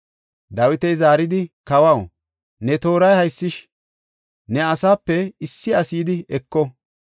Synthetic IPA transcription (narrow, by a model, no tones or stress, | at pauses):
d̪ɐwɪt̪ɛjzaːɾɪd̪ɪkɐwɐw | nɛt̪o̞ːɾɐjhɐjsːɪʃ | nɛɐsaːpːɛɪsːɪɐsiːd̪ɪɛkːɔ